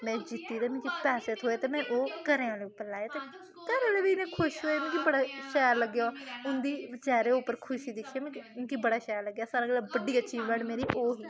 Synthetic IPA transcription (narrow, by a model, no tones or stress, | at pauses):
mɛ̃ːd͡ʒɪt̪ːiːd̪eːmɪ̃kiːpɛːseːt̪ʰɦoːeːt̪eːmɛ̃ːʔoːkəɾẽːãːleːʊpːəɾlaːjeːt̪eː | kəɾãːleːʋiːnẽːkʰʊʃɦoːeːñːkibəɽaːʃaːɾləɡjaːʊnd̪iːt͡ʃaːɾeːʊpːəɾkʰʊʃiːd̪ɪkʰːjaːmɛ̃nkibəɽaːʃaːɾləɡːjaːsaːɾaːɡlaːbəɖiːəʃʰiːbɛːɽmeːɾiːʔoːɦiː